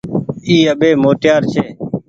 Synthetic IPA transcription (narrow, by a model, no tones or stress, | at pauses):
iːəɓeːmoːʈjaːɾt͡ʃʰeː